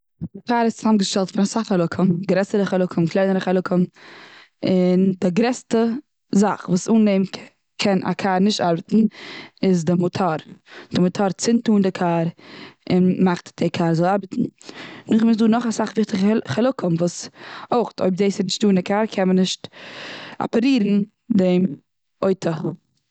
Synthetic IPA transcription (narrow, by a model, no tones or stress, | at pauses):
dɪkaːɾɪst͡sɪzamɡəʃtɛlˠtfɪnasaχalˠʊkʰəmɡɾɛsəɾəχalˠʊkʰəmklˠaɪnəɾəχɛlˠʊkʰəm | ɪndɪɡɾɛstə | zaχvuːsuːnːeɪm | kʰɛna̰kʰaːɾnɪʃtaɾbətn̩ɪzdɪmʊtʰaɾd̥ɪmʊtʰaɾt͡sɪntuːndɪkʰaːɾɪnmaχtd̥ɪkʰaːɾzɔlˠaɾbətn̩nʊχmɪsduːnɔχasaχvɪχtɪχχɛlˠʊkəmvuːsoʊχtʰo̰ɪb̚zeːsɪnɪʃtduːndɪkʰaːɾkʰɛnmənɪʃt | a̰pəɾiːɾn̩ | dem | oɪtʰə